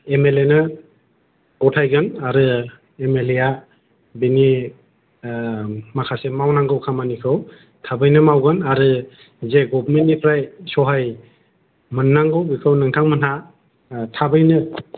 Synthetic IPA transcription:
emelenɯ | kɔtʰajɡɯnaɾɯ | emeleja | bini | makʰasemawnaŋɡɯwkʰamanikʰɯw | tʰabɯjnɯmawɡɯnaɾɯ | zeɡɔbmentnːipʰɾajsɔɦaj | mɯnːaŋɡɯwbikʰɯwnɯŋtʰaŋmɯnɦa | tʰabɯjnɯ

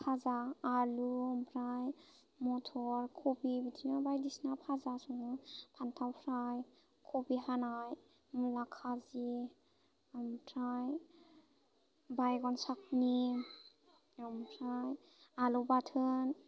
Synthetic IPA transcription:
pʰazaːluɔmpʰɾaj | mɔtʰɔɹkʰobibitʰinabajdisnapʰazasɔŋɔpʰantʰawpʰɾaj | kʰobiɦanaj | mulakʰazi | mpʰɾaj | bajɡɔnsak̚ni | mpʰɾaj | alɔbatʰɯn

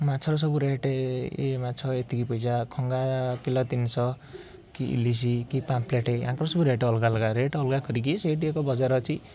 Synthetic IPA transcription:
mat͡ʃʰɔɾɔs̬ɔbuɾeʈeḛmat͡ʃʰɔet̪ʰikipɔjd͡ʒakʰɔŋɡakilɔt̪insɔ | kiʔḭlis̬ikipampʰleʈeãŋkɔɾɔsɔbuɾeʈɔlɡalɡaɾeʈɔlɡakɔɾik̬iseʈ̬iekɔbɔd͡ʒaɾɔt͡ʃʰi

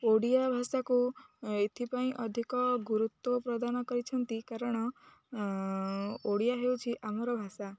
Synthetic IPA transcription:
oɽijabʱasakuet̪ʰipaĩʔɔd̪ʱikɔɡuɾut̪wɔpɾɔd̪anɔkɔɾit͡ʃʰɔnt̪ikaɾɔɽ̃ɔ | oɽijaɦewt͡ʃʰiʔamɔɾɔbʱasa

